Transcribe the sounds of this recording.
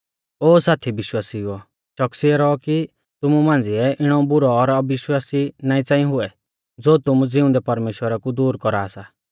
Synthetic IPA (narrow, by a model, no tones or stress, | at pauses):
oːsaːt̪ʰibɪʃwaːsiɔ | ʃɔksiɛɾɔɔki | t̪ʊmumãːnd͡zɪɛɪɽ̃ɔbʊɾɔːɾɐbɪʃwaːsinaːĩt͡sãːĩɦʊɛ | d͡zoːt̪ʊmud͡zɪʊ̃nd̪ɛpɐɾmeːʃwəɾakud̪uːɾkɔɾaːsa